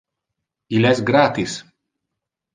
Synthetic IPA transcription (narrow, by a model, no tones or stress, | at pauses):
ilʲæzʲɡɾaːt̪is